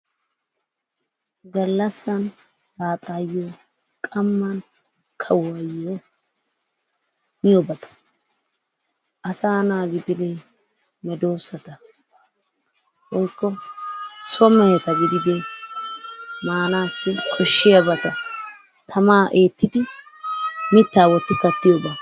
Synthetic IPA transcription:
ɡɐlːɐsːɐn | ɾaːt̪ʼaːjːoː | kʼɐmːɐn | kʰɐwɐjo | mɪjɔbɐt̪ɐ̥ | ʔɐsaːnaːɡɪd̪ɪɾe | mɛd̪o̞ːsɐt̪ɐ | wɔjkːɔ | sɔmɛjɛt̪ɐɡɪd̪ɪd̪ɛ | maːnaːsːɪkʼɔʃːɪjɐbɐt̪ɐ | t̪ʰɐmaːʔe̞ːt̪ːɪd̪ɪ | mɪt̪ːaːwɔt̪ːɪkɐt̪ːɪjɔbɐ

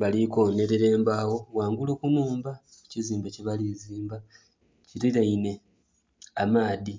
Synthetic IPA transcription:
βaliko̞ne̞ɾe̞ɾe̞ːmbawo̞waːŋɡulokunuːmba | uciziːmbaceβaliziːmba | ciɾiɾaine̞ | amaːði

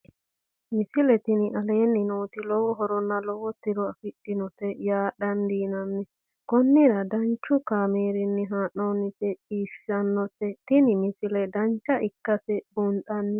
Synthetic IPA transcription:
mɪsɪlɛt̪ɪnɪʔɐleːnːɪnoːt̪ɪlɔwɔɦɔɾɔnːɐlɔwɔt̪ːɪɾɔɐfɪɗːɪnɔt̪ːɛjaːɗɐnd̪iːnɐnːɪ | kɔnːɪɾɐd̪ɐnt͡ʃːʊkaːmeːɾɪnːɪɦaːʔɔnːɪt̪ɛiːʃɐnːɔt̪ːɛt̪ɪnɪmɪsɪlɛd̪ɐnt͡ʃːɐʔɪkːɐsɛbʊnt̪ʼɐnːɪ

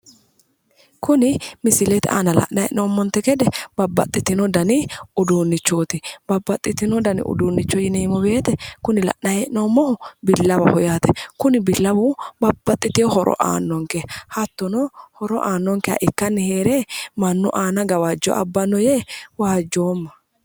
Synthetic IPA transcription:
kʊnɪmɪsɪlɛt̪a̰ːnɐlɐ̰ʔnɐjɛ̰ʔnoːmːɔnt̪ːɛkɛd̪ɛb̥ɐbːɐ̰t̪ʼːɪt̪ɪnɔd̪ɐnɪʊd̪uːnːɪt͡ʃːoːt̪ɪb̥ɐbːɐt̪ʼːɪt̪ːɪnɔd̪ɐnɪ̰ʔʊ̰d̪uːnːɪt͡ʃːɔjɪneːmɔbe̞ːt̪ɛkʊnɪlɐ̰ʔnɐjɛʔnoːmːɔhʊbɪlːɐbɐhɔjaːt̪ɛkʊnɪbɪlːɐbʊbɐbːɐt̪ʼːɪt̪ɪjɔhɔɾʔɔ̰ʔa̰ːnːɔŋkɛhɐt̪ːɔnɔhɔɾɔ̰ʔaːnːɔŋkɛa̰ʔɪkːɐnːɪheːɾeːmɐnːʊ̰ʔaːnɐɡɐwɐd͡ʒːɔ̰ʔɐ̰bːɐnːɔjɛwaːd͡ʒːoːmːɐ

